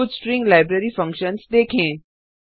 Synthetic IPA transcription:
ud̪sʈɾɪ̃ŋɡlaːɪbɾeɾifɐ̃ŋkʃənsd̪eːkʰẽː

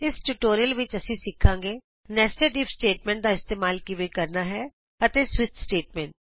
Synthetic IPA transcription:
ɪsʈuːʈoːɾijəlʋɪt͡ʃəsĩːsɪkʰːãːŋɡeː | nɛːsʈəɖiːpsʈeːʈ̚mɛ̃ːɳʈ̚d̪aːɪst̪eːmaːlkiʋeːkəɾnaːɦɛː | ət̪eːswɪt̪sʈeːʈmɛ̃ːɳʈ̚

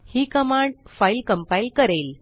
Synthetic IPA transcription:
hiːkəmãɳɖfailkəmpailkəɾel

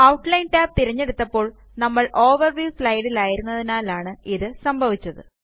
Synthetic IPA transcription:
ɐwʈlɐjnʈaːb̚t̪iɾɐɲːe̞ɽut̪ːɐpːo̞ːɭ | nɐmːɐɭʔo̞ːʋɐrʋjiːslɐjɽilaːjiɾunːɐðinaːlaːɳɨiðɨsɐmbʱɐʋit͡ɕːɐðɨ

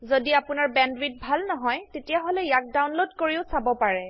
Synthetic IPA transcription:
zodiapʊnaɹbɛndwit̚bʱalnɔɦɔjtetijaɦolɛjak̚dawnlodkoɹiʊsabɔpaɹɛ

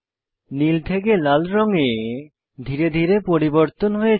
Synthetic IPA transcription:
nilt̪ʰekelalɾɔŋe | d̪ʱiɾed̪ʱiɾepoɾiboɾt̪onɦoje

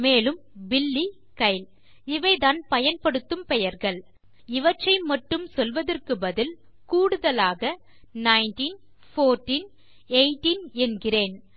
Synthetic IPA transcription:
meːlɯmbɪlːi | kɐɪl | ɪʋɐɪðaːnpɐjɐnpɐɽɯt̪ːɯmpɛjɐɾɣɐɭ | ɪʋɐʈʈrɐɪmɐʈːɯmsɔlʋɐðɐrkɯbɐðɪl | kuːɽɯðɐlaːɣɐ | nɐɪnʈiːn | foːɾʈiːn | eɪʈiːnɛnɡɪreːn

